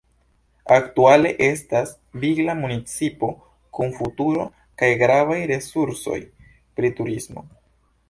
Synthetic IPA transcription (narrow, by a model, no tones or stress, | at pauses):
aktuale̞ʔe̞stas | viɡlamunit͡sipo̞ | kunfutuɾo̞ | kajɡɾavajɾe̞suɾso̞̰j | pɾituɾismo̞̰